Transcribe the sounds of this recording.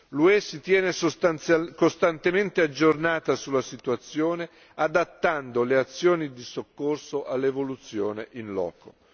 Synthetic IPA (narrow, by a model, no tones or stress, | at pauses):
luɛsit̪jɛːnesoskost̪ant̪ement̪ead͡ʒːornaːt̪asulːasit̪uat̪sːjoːne | ad̪at̪ːand̪oleat̪sːjoːnid̪isokːorsoʔalːevolut̪sːjoːneʔinlɔ̰ːko̰